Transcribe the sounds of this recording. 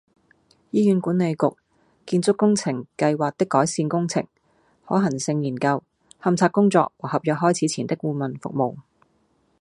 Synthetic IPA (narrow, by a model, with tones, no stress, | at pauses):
jiː˥jyː˨˥nkuː˨˥ne˨˧jkʊ˨k̚ | kiː˧nt͡sʊ˥kːʊ˥ŋt͡sʰɪ˨˩ŋkɐ˧jwaː˨k̚t̪ɪ˥kːɔː˨˥jsiː˧nkʊ˥ŋt͡sʰɪ̰˨˩ŋ | hɔː˨˥ɦɐ˨˩ŋsɪ˧ŋjiː˨˩nkɐ˧w | hɐ˨˧mt͡sʰaː˧k̚ʊ˥ŋt͡sɔ̰ː˧k̚wɔ˨˩hɐ˨p̚jœ˨k̚ɦɔː˥jt͡sʰiː˨˥t͡sʰiː˨˩nt̪ɪ˥kːkuː˧mɐ˨nfʊ̰˨k̚mo˨˩w